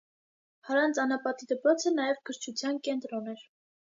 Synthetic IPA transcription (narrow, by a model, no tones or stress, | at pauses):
hɑɾɑnt͡sɑnɑpɑt̪id̪əpɾɔt͡sʰənɑjɛvkʰəɾt͡ʃʰut͡sʰjɑnkɛnt̪ɾɔnɛɾ